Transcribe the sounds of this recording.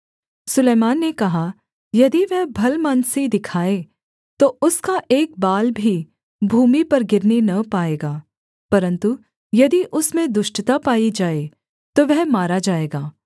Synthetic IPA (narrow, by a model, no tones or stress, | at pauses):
sʊleːmaːnːekɐɦa | jɐd̪iʋɛɦbʱɐlmaːnsid̪ɪkʰaːe | t̪oʊskaʔeːk̚baːlbʱi | bʱuːmipɐɾɡɪɾnenɐpaːeːɡaː | pɐɾə̃nt̪u | jɐd̪iʔʊsmẽd̪ʊʃʈt̪apaːid͡ʒaːe | t̪oʋɛɦmaːɾad͡ʒaːeːɡaː